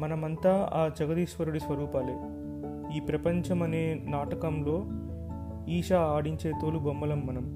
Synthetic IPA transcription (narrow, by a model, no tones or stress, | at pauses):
mɐnɐmɐnt̪aːaːd͡ʒɐɡɐd̪iːʂʋɐɾuɽisʋɐɾuːpaːleː | iːpɾɐpɐɲt͡ʃɐmɐne̞ːnaːʈɐkɐmlo̞ː | iːʂaːaːɽiɲt͡ʃe̞ːt̪oːlubombɐlɐmːɐnɐm